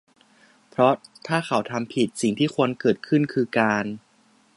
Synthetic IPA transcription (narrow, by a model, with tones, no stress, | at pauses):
pʰɾɔ˦˥t̪ʰaː˥˩xa˩˦wt̪ʰa˧mpʰi˨˩t̪̚si˨˩ŋt̪ʰiː˥˩kʰu˧ənkɤː˨˩t̪̚kʰɯ˥˩nkʰɯː˧kaː˧n